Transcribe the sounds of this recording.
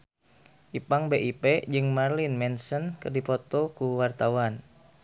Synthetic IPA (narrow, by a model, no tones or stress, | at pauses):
ʔipaŋbeʔiped͡ʒɨŋmarlinmɛnsənkərdifɔt̪ɔkuwart̪awan